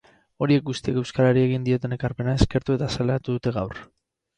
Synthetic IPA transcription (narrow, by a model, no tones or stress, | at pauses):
o̞ɾie̞k̚ɡust̪iekewskaɾaɾieɣ̞ind̪io̞t̪e̞ne̞kaɾpe̞nae̞ske̞ɾt̪ue̞t̪asalat̪uðut̪e̞ɣawr